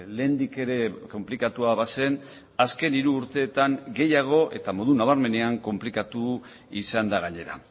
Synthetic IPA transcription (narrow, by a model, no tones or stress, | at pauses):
le̞ːnd̪ike̞ɾe̞ko̞mplikat̪uaβase̞n | aske̞niɾuːɾt̪e̞ːt̪aŋɡe̞jaɣ̞o̞ʔe̞̰t̪amo̞ðunaβ̞aɾme̞ne̞aŋko̞mplikat̪u | isand̪aɣ̞aɲe̞ɾa̰